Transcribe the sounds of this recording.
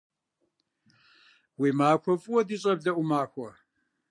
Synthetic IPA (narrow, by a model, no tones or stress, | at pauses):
wiːmaːkʷʰɔfʼʊwɔdiɕʼɐbɮɐʔʷumaːxʷɔ